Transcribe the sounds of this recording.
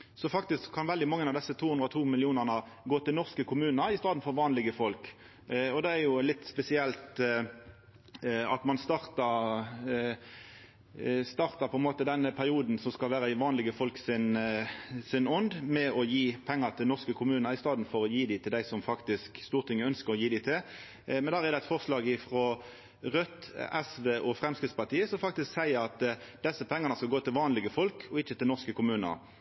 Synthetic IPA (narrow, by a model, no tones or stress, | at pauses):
sɔfɑk̚t̪ɪskʰːɑnʋɛld̪ɪmɑŋːənɑʋd̪ɛsːət̪ʰuːhʉnd̪ɾət̪ʰuːmɪlɪuːnəʁnə | ɡoːt̪ɪlnɔʁskəkʰʊmʉːnəɾɪst̪ɑːd̪n̩fɔɾʋɑːnlɪɡəfɔlk | ɔd̪ɛæɾjʊlɪt̪ːspɛsɪɛlt̪ | ɑ̰t̪mɑnst̪ɑːʁt̪ɑ | st̪ɑːʁt̪ɑpʰɔɛnmoːt̪əd̪ɛnːəpʰæʁɪuːd̪n̩sɔskɑlʋæːɾəɪʋɑːnlɪɡəfɔlksɪn | sɪnɔnd̪mɛɔjiːpʰɛŋːəʁt̪ʰɪlnɔʁskəkʰʊmʉːnəʁɪst̪ɑːd̪n̩fɔʁɔjiːd̪ɪt̪ʰɪld̪æɪsɔmfɑkt̪ɪskst̪uːʁt̪ʰɪŋːəœnskəʁɔjiːd̪æɪt̪ʰɪl | mɛnd̪æːʁɛʁd̪ɛɛt̪fɔʁslɑːɡɪfʁɔ | ʁœt̪ɛsʋeːʔɔfʁɛmskɪt̪spɑt̪ʰiːəsɔmfɑk̚t̪ɪsksæɪəɾɑt̪d̪̥ɛsːəpʰɛŋːɑʁnəskɑlɡoːt̪ʰɪlʋɑːnlɪɡəfɔlkʰɔɪçːət̪ɪlnɔʁskəkʰʊmʉːnə̰ʁ